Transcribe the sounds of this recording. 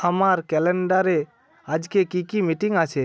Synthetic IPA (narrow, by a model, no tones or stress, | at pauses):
əmaɾkɛlɛɳɖaɾe | ad͡ʒkekikimiʈiŋat͡ʃʰe